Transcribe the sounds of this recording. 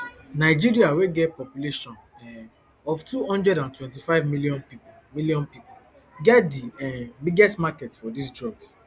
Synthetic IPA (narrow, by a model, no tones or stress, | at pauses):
naɪd͡ʒiɾiaweɡɛt̚pɔpjuleʃɔ̃n | ɔvtuhɔ̃ndɹɛɾãntwɛ̃nt̬ifaɪvmiliɔ̃npip | miliɔ̃npipu | ɡɛtdiɛbiɡɛstmakɛtfɔdisdɹɔɡs